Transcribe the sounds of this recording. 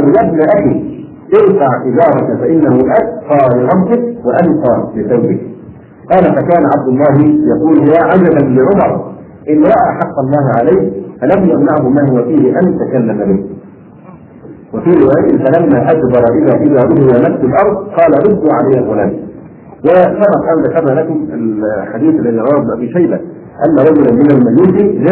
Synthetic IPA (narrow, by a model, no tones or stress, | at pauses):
ɑːljabnaʔaxiː | ʔɪɾfaʕʔɪd͡ʒɑːɾˤɑkfaʔɪnːahʊʔakt̪ˤɑːlɪɾˤɑbzɪk̚waʔant̪ɑːlɪθawbɪk̚ | qɑːlafakaːnaʕab̚d̪ʊlˤːɑːɦɪjɑquːlhjaʕad͡ʒabalɪʕʊmɑɾˤ | ʔɪnɾaːʔaħɑqːɑlˤːɑːɦʕalajhfanabjɪɣnaʕɦʊmaːɦʊwafiːhɪʔanjt̪akalːamabɪh | wafiːɾɪwaːjaʔɪnfalamːaːʔad͡ʒbɑɾˤɑʔɪðaːʔɪðaːɾˤʊɦɪwaːnafsʊlʔɑɾˤd̪ˤqɑːlaɾˤʊd̪ːuʕalajːalɣʊlaːn | wɪsɑbɑq̪ˤʔanðakɑɾˤnaːlakʊmɪlħad̪iːθʔalːaðiːɾˤɑaːɾbnʊʔabiːʃajba | ʔa̰nːaɾˤɑd͡ʒʊlanmɪnalmad͡ʒuːd̪ɪd͡ʒa